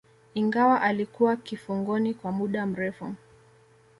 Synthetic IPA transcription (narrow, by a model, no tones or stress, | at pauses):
iŋɡawaʔalikuwakifuŋɡɔnikwamuɗam̩ɾɛfṵ